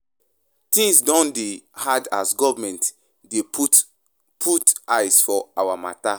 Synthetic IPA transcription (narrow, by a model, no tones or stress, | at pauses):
tĩŋsdɔ̃ndehada̰sɡɔvamɛ̃nt | de | pʰutajsfɔawama̰ta